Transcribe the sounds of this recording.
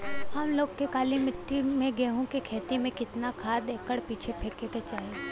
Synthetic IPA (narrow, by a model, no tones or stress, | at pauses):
hɐmloːɡ̚kekaːlimɪʈːimẽɡeɦũkikʰeːt̪imẽkɪt̪nakʰaːd̪eːkəɽpiːt͡ʃʰepʰeɾkeket͡ʃaːɦi